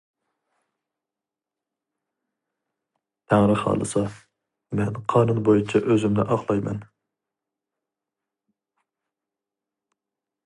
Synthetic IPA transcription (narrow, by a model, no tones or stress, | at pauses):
t̪ʰæŋɾɪχɑ̰ːlˠɨ̰sɑ | mɛnqʰɑːnɨnbojut͡ʃʰɛʔøzymd̪ɛʔɑqlˠɑjmɛ̰n